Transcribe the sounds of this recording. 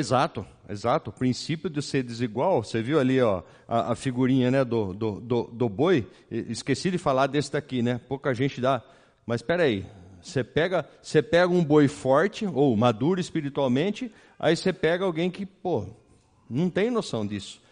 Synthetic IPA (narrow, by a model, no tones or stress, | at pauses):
ezat̪ʊ | ḛzat̪ʊpɾĩsipjʊd̪ɪseɾd̪ɪziɡwawseviwaliɔ | ɐ̰ʔɐ̰fiɡuɾĩɲɐnɛd̪ʊd̪ʊd̪ʊd̪ʊboj | ɪskesid̪ɪfalaɾd̪esɪd̪akinɛpokɐʒẽnt͡ʃɪd̪a | mɐspɛɾaisepɛɡɐsepɛɡɐũbojfɔɾt͡ʃɪowmad̪uɾɐɪspiɾit̪uawmẽnt͡ʃɪ | a̰isepɛɡɐawɡẽj̃kɪpo | nɐ̃w̃t̪ẽj̃nosɐ̃w̃d̪isʊ̥